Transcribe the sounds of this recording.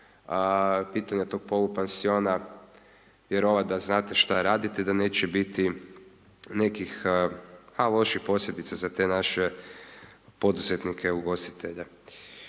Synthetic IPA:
piːt̪aɲet̪o̞ɡ̥̚po̞lupansio̞ːna | jeɾo̞ʋad̪aznaːt̪eʃt̪aɾaːd̪it̪ed̪ane̞ːt͡ɕebit̪i | ne̞kix | halˠo̞ʃixpo̞slʎʲed̪it̪sazat̪e̞naʃe | po̞d̪uzet̪nikʰeuɡo̞st̪i̥t̪ʰeʎa

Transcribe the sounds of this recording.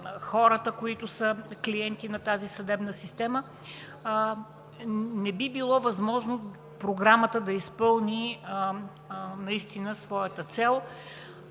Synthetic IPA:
xɔɾət̪əkoit̪ʊsəkliɛnt̪inɐt̪azisɐd̪ɛbnəsist̪ɛmə | nɛbibilˠɔvɐzmɔʒno | pɾoɡɾamət̪əd̪ɐispɤlˠni | nɐist̪inəsvɔjət̪ət̪sɛlˠ

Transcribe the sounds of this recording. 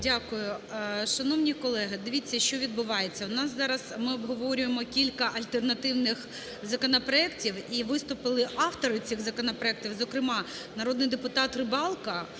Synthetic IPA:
dʲakʊjʊʃɐnɔwnʲikɔlˠɛɦɪd̪ɪʋʲit͡sʲːɐʃt͡ʃɔʋʲid̪̚bʊʋɑjet͡sʲːɐnɑszɑɾɐzmɪɔbɦɔʋɔɾʲʊjemɔkʲilʲkɐʔɐlʲt̪ernɐt̪ɪwnɪx | zɐkɔnɔpɾɔɛktʲiwiʋɪst̪ʊpɪlˠɪʔɑft̪ɔɾɪt͡sʲiɣzɐkɔnɐpɾɔɛk̚tʲiwzɔkɾɪmɑ | nɐɾɔd̪nɪjd̪epʊt̪ɑt̪rɪbɑlˠkɐ

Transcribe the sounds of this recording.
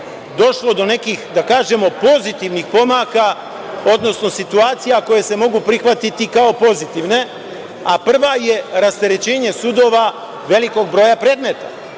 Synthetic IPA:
d̪o̞ʃlˠo̞d̪o̞ne̞kixd̪akaːʒe̞mo̞po̞zit̪iʋnixpo̞maka | o̞d̪no̞sno̞sit̪uaːt̪sijako̞je̞se̞mo̞ɡupɾixʋat̪it̪ikao̞po̞zit̪iʋne̞ | apr̩ʋaje̞ɾast̪eɾet͡ɕe̞ːɲesud̪o̞ːʋa | ʋe̞liko̞ɡ̚bɾo̞ːjapɾeːd̪met̪a

